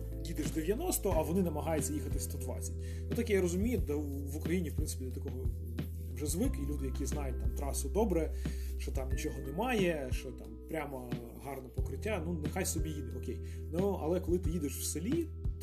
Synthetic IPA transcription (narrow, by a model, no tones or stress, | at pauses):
jid̪ɪʃd̪eʋʲjɐnɔst̪ɔʔɐʋɔnɪnɐmɐɦɑjʊt͡sʲːɐjixɐt̪ɪsʲt̪ɔd̪ʋɑ̰t͡sʲɐtʲ | nut̪ɐkjaɾɔzʊmʲijʊd̪ɛ | ʋʊkɾɐjinʲifpɾɪnsɪ̥pʲid̪ʲɔt̪ɐkɔɦɔ | ʋʐɛzʋɪkɪjlʲud̪ɪjɐkʲiznɑjʊt̚ʲt̪amt̪ɾɑsʊd̪ɔbɾɛʃt͡ʃɔt̪ɑmnʲit͡ʃɔɦɔnɛmɑjɛʃt͡ʃɔt̪ɑmpɾʲamɐ | ɦɑrnɛpɔkɾɪtʲːanunexajsɔbʲijid̪ɪɔkʲej | nuɐ̰lˠɛkɔlˠɪt̪ɪjid̪ɪʃwselʲi